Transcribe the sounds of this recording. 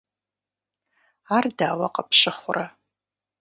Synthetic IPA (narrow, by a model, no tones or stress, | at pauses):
ardaːwɐ̰qɐpʰʃɪχʷʊra